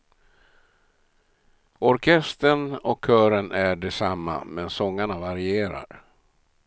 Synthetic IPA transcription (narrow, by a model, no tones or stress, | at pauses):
ɔɾkʰɛst̪ənɔkʰːœːɾənʔæɖɛsamːa̰mɛnsɔŋːaɳavaɾɪeːɾa̰ɾ